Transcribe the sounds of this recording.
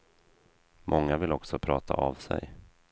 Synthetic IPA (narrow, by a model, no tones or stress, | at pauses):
mʔɔŋːavɪlɔksɔpʰɾɑːt̪ʰaavsɛ̰j